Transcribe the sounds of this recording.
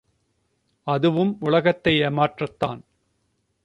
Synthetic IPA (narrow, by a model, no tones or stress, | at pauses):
ɐðɯʋɯmʊɭɐɣɐt̪ːɐjɐmaːʈrɐt̪ːa̰ːn